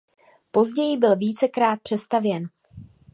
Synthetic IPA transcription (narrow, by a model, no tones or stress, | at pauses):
po̞zɟɛjɪbɪlviːt͡sɛkɾaːt̪̚pr̥ɛst̪avjɛn